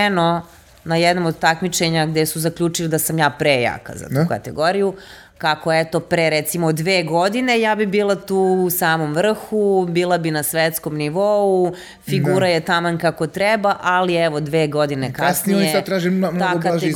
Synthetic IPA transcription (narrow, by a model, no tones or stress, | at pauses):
no | najɛd̪nomod̪̚t̪akmit͡ʃe̞ɲaɡd̪esuzakʎʲut͡ʃilid̪asamjaːpɾeja̰ka̰za̰t̪uka̰t̪ḛɡoɾiju | kakoet̪o̞pɾeɾet̪simod̪ːʋeːɡod̪ine̞jaːbibiːlˠat̪uːsaːmo̞mʋr̩xubiːlˠabinasʋet̪sko̞mniʋou | fiɡuːɾajet̪amankako̞t̪ɾɛbaʔaliɛʋo̞d̪ʋeːɡo̞d̪inekaasniionisad̪t̪ɾaːʒimnaːokaa